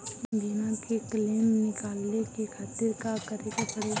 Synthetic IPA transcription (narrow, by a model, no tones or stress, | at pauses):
binakekleːmnɪkaːlnekekʰaːt̪ɪɾkakəɾeɡapəɽe